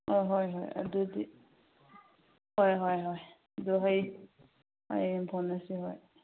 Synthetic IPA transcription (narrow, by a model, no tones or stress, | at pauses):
ɔɦɔjɦɔ̰ja̰dudi | hɔjɦɔjɦɔj | duɦej | a̰jbʱɔnasiɦɔj